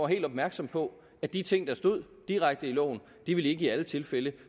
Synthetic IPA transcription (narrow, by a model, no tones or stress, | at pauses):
ɦe̝̰ld̥ɒ̽b̥̚mæɐɡ̥sɒ̽mpʰɒ̽ | æd̥it͡sʰe̝ŋ̰d̥ɑ̈sd̥o̝ð̞̰ˠ | d̥iʁaɡ̥̚d̥əilɔ̰ʊn | d̥iʋe̝le̝ɡ̥əiælət͡sʰe̝lfelə